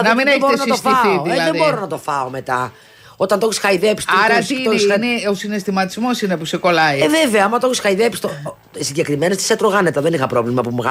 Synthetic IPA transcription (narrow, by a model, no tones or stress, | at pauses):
nɐmineboɾeonɐt̪osfiɐθiðielɐðebo̞ɾonɐt̪o̞fɐome̞t̪ɐ | o̞t̪ɐnt̪oçisxɐiðepst̪ɐɾɐt̪ik̪ːosneosine̞st̪imɐt̪izmo̞sinepuseko̞lɐjeveveɐɐmɐt̪oçisxɐiðepist̪o | siɲɟe̞kɾimenost̪i̥set̪ɾoɣɐnet̪ɐðenixɐpɾo̞vlimɐpumɣ